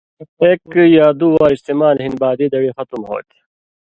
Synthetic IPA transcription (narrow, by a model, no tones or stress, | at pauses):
eːkjaːd̪uːwaːɾist̪eːmaːlɦinbaːd̪iːd̪ɐɽixɐt̪umɦo̰ːt̪